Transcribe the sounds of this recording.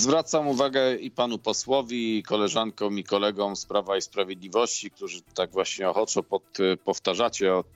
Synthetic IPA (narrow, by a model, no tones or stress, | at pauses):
zvɾat̪samuvaɡɛipanupɔswɔvʲikɔlɛʐaŋkɔ̃w̃ikɔlɛɡɔ̃w̃spɾavaispɾavʲjed̪lʲivɔɕt͡ɕik̚t̪uʐɘt̪aɡvwaɕɲɛɔxɔt͡ʂɔpɔt̪pɔft̪aʐat͡ɕɛɔ